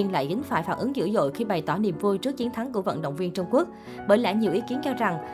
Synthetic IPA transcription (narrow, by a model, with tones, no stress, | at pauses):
ənla̰ː˧˨jɣï˨˦ŋ̟faː˧˩jfaː˧˩nʔɨ˨˦ŋzɨ̰˧˥zo̰˧˨jxi˧ɓa˨˩jt̪ɔ˧˩ni˨˩mvu˧jt͡ɕɨ˦˥ək̚t͡ɕi˨˦nt̪ʰa˨˦ŋku˧˩əvə̰˧˨nɗə̰˧˨wŋ͡mvi˧ənt͡ɕʊ˧wŋ͡mku˦˥ək̚ | ɓəː˧˩jla̰ː˧˩ɲi˨˩əwʔi˨˦ki˨˦ənt͡ɕɔ˧za˨˩ŋ